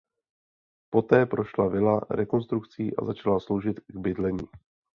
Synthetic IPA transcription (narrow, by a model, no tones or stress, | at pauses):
po̞t̪ɛːpɾʔo̞ʃlavɪlaɾɛko̞nst̪ɾukt͡siːʔa̰zat͡ʃalaslo̞wʒɪt̪ɡbɪdlɛɲiː